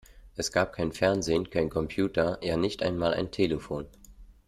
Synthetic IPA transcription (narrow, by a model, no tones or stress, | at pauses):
ʔɛsɡ̥aːp̚kʰaɪnfɛɐnzeːnkʰaɪnkʰɔmpʰjuːtʰɐjaːnɪçtʔa̰ɪnmaːlʔa̰ɪntʰeːləfoːn